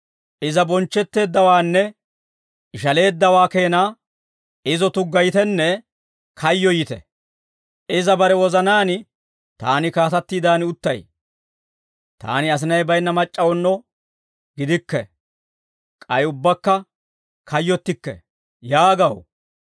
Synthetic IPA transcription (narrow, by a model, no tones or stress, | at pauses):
ʔɪzɐbɔnt͡ʃːɛt̪ːe̞ːd̪ːɐwaːnːɛ | ɪʃɐle̞ːd̪ːɐwaːke̞ːnaː | ɪzɔt̪ʊɡːɐjt̪ɛnːɛ | kʰɐjːɔjɪt̪ɛ̰ | ɪzɐbɐɾɛwɔzɐnaːnɪ | t̪a̰ːnɪkaːt̪ɐt̪ːiːd̪aːnɪʊt̪ːɐj | t̪a̰ːnɪɐs̬ɪnɐjbɐjnːɐmɐt͡ʃʼːɐwɔnːɔ | ɡɪd̪ɪkːɛ̰ | kʼɐjʊbːɐkːɐ | kʰɐjːɔt̪ːɪkːɛ̰ | jaːɡɐw